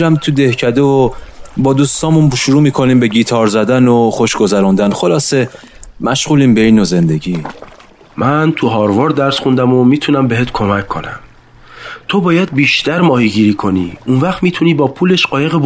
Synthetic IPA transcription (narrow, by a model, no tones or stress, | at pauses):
ɾæmt̪ʰud̪ehcʰæd̪evobɒːd̪uːst̪ɒːmunʃuɾuːmiːkʰo̞niːmbe̞ɟiːt̪ʰɒːɾzæd̪ænoxo̞ʃɡo̞zæɾund̪ænχo̞lɒːse̞ | mæʃʁuːliːmbeinoze̞nd̪e̞ɟiː | mʔænt̪ʰuɦɒːɾvɒɾd̪æɾsχund̪æmomiːt̪ʰunæmbeɦet̪kʰo̞mækʰːo̞̰næ̰m | t̪ʰobɒːjæd̪̚biːʃt̪æɾmɒːhiɡiːɾiːkʰo̞nḭːunvæχt̪miːt̪ʰuniːbɒːpʰuːleʃɢɒːjeɣeb